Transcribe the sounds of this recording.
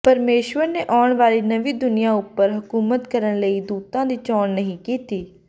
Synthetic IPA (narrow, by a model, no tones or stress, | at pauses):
pəɾmeːʃʋəɾneːʔaːɳʋaːɾiːnəʋiːd̪ʊnɪjãːʊpːəɾɦʊkuːmət̪kəɾəɳləiːd̪uːt̪ãːd̪iːt͡ʃɔːnnəɦĩːkiːt̪iː